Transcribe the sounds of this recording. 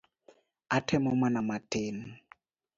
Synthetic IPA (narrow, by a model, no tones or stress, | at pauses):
atʰɛmɔmanamatʰen